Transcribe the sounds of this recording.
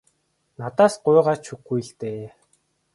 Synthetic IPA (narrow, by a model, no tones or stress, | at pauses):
nat̪aːsɢʊːʁaːt͡ɕʰuxɡuj̆ɮt̪eː